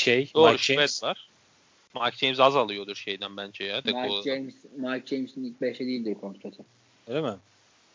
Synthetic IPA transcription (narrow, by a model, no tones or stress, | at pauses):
ʃejd̪oːɾuʃvɛt̪vaɾ̥ | maɾk̚d͡ʒejmzazalˠɯjo̞d̪uɾʃe̞jd̪ænbænd͡ʒɛjaːd̪ɛaod͡ʒejmsmaɾk̚d͡ʒejmsinic̚bɛʃlɛd̪iilʲd̪iɾkʰont̪ɾet̪ʰɯ | eɾemɪ